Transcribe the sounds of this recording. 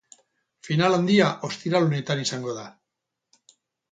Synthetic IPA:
finaland̪iaʔo̞st̪iɾalone̞t̪anisaŋɡo̞ða

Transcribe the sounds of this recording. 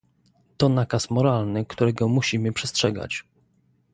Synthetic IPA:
t̪ɔnakasmɔɾalnɘkt̪uɾɛɡɔmuɕimɘpʂɛstʂɛɡa̰t͡ɕ

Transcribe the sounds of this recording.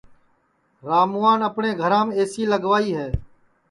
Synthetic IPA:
ɾaːmuːaːnəpɳẽːɡʱəɾãːmeːsiːləɡʋaːiːɦɛː

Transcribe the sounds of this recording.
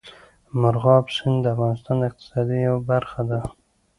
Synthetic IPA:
mʊɾɣɑpsɪnd̪əafɣɑnɪst̪ɑnd̪əɪq̚t̪ɪ̥sɑd̪ijawbaɾxad̪a

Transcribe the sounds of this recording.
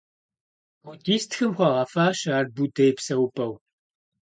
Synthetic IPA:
ʊtiːstxɨmxʷɐʁɐfaːʃaːr̚budeːjpsɐwupʼɐw

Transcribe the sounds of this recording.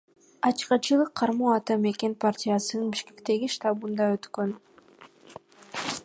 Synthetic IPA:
ɑt͡ʃqɑt͡ʃɯlˠɯqʰːɑɾmuːɑt̪ɑme̞kʲe̞npartʲɪjasɯnɯnbiʃke̞̥kt̪e̞ɡʲiʃt̪abund̪ɑøt̪kø̞n

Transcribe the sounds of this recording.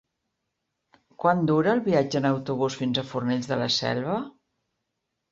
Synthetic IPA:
kwand̪uɾəːlˠβiad͡ʒəːnəwt̪uβ̞usfinzəfurneʎzðələsɛ̰lˠβə

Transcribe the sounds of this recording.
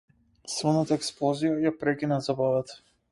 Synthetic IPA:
svənat̪aɛksplˠɔzijajapɾɛk̟ʲinazabavat̪ə̥

